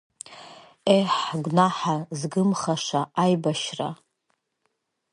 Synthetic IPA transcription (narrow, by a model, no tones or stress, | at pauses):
ejħɡʷnaħazɡɨmχaʂaʔajbaʃra̰